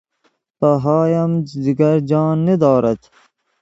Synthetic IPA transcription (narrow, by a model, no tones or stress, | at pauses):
pɐɦɑːjɐmd̪iɡɐɾd͡ʒɑːnːed̪ɑːɾɐt̪